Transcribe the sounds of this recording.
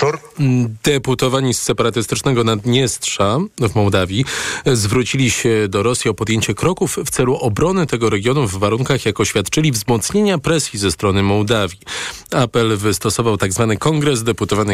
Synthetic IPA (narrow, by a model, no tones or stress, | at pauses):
d̪ɛput̪ɔvaɲisːɛpaɾat̪ɘst̪ɘt͡ʂnɛɡɔnad̪ɲɛst̪ʂavmɔwd̪avʲjizvɾut͡ɕilʲiɕɛd̪ɔɾɔsʲjiɔpɔd̪jeɲt͡ɕɛkɾɔkufːt̪sɛluʔɔbɾɔnɘt̪ɛɡɔɾɛɡʲjɔnuvːaɾuŋkaxjakɔɕfʲjat̪t͡ʂɘlʲivzmɔt̪sɲeɲapɾɛsʲjizɛst̪ɾɔnɘmɔwd̪avʲjiapɛlvɘst̪ɔsɔvawt̪aɡzvanɘkɔŋɡɾɛzd̪ɛput̪ɔvanɘ